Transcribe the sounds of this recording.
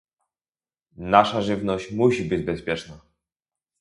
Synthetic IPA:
naʂaʐɘvnɔɕt͡ɕmuɕibɘd͡ʑbɛspʲjɛt͡ʂna

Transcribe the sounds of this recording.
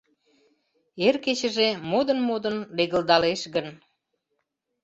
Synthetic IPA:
erket͡ɕəʒemod̪ənmod̪ənleɣəld̪ɑleʃɣən

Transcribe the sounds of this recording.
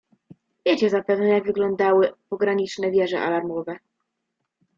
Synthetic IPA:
vʲjet͡ɕɛzapɛvnɛjaɡvɘɡlɔnd̪awɘpɔɡɾaɲit͡ʂnɛvʲjɛʐɛ̰ʔa̰laɾmɔvɛ

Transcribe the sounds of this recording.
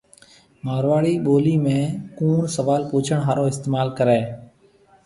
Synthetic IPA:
maːɾʋaːɽiːɓoːliːmẽːkuːɳsəʋaːlpuːt͡ʃʰəɳɦaːɾõːɪst̪eːmaːlkəɾeː

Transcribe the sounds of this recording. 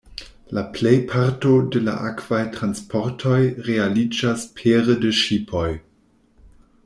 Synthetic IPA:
laplejpʰaɾto̞dela̰ʔakv̥ajtɾanspʰoɾtʰo̞jɾealid͡ʒaspʰeɾədeʃipʰo̞j

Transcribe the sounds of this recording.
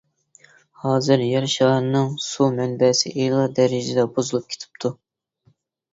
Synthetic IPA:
hɑːzɨɾjɛɾʃɑɾnɨŋsumɛnbɛsɪ̰ʔejlˠɑd̪ɛɾɪd͡ʒɪd̪ɛbozulˠup̚kʰʲe̥t̪ʰɪ̥p̚t̪ʰu

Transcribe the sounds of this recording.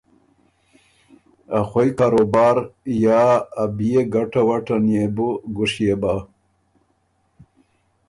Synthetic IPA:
axojkaːɾobaːɾjaːabijeɡaʈawaʈɐnjebuɡuʂjeba

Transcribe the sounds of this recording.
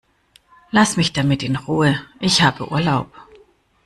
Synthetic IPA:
lasmɪçd̥amɪtɪnʁuːəʔɪçhaːbəʔṵːɐlaʊp̚

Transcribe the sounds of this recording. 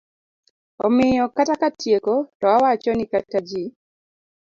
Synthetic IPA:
ɔmɪjɔkatakatjekotɔawat͡ʃɔnɪkatad͡ʒi

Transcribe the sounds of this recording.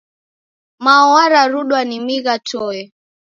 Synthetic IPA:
mawaɾaɾuɗwanimiɣatɔɛ

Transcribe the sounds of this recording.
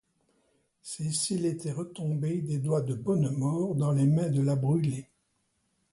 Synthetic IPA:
sesilet̪ɛʁət̪ɔ̃bed̪ed̪wad̪əbɔnmɔːʁd̪ɑ̃lemɛ̃d̪əlabʁyle

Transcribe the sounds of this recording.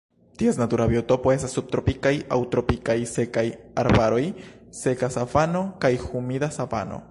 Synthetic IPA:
t̪iesnat̪uɾabiot̪opoesasub̚t̪ɾopikaja̰wt̪ɾopikajse̞kajaɾbaɾo̞j | se̞kasafano̞kajxumidasafa̰no̰

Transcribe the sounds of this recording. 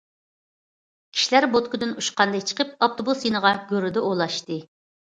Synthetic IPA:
kʲʰi̥ʃilæɾbot̪kʊd̪ɪnuʃqʰɑnd̪ɑjt͡ʃʰə̥qʰəp̚ɑp̚t̪obusjinəʁɑɡʲøɾɪd̪ɛʔolˠɑʃt̪ɨ

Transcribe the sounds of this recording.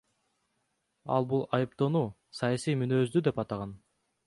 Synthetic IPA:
ɑ̰lˠbulˠɑjɯp̚t̪onuː | sɑjɑsijmynøːzd̪yd̪e̞pɑt̪ɑʁɑn

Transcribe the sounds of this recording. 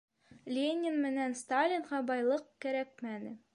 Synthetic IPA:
lʲenʲɪnmɘ̆nænst̪alʲinʁɑbɒjlˠɤqkæɾæk̚mænɘ

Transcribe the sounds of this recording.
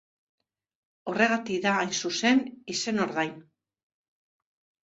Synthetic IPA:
o̞re̞ɣ̞at̪ikðaːjnsuse̞nise̞no̞ɾðajn

